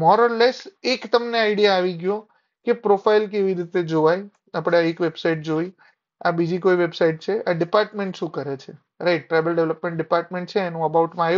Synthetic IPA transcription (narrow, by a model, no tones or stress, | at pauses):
mɔɾɔɾlesekt̪əmneaɪɽijaːʋiɡjõ | kepɾofajilk̬eʋiɾit̪ed͡ʒoʋaj | apɽ̃aekʋebsaiʈ̚d͡ʒoj | abid͡ʒikoiʋebsaiʈ̚t͡ʃʰeʔaɖɪpaɾʈmẽɳʈʃũkəɾet͡ʃʰe | ɾajʈ̚ːɾajbəlɖeʋləpmẽɳʈ̚ɖɪpaɾʈmẽɳʈt͡ʃʰeːnũəbauʈmãaju